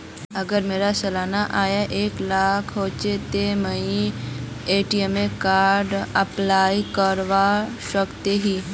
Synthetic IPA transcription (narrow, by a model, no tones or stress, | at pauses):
ɐɡəɾmeːɾasɐlaːnaʔaːjaʔeːklaːkʰɦoːt͡ʃet̪eməĩ | eːʈiemẽkaːɾɖɐplaːikəɾʋa | ʃəkt̪eɦiː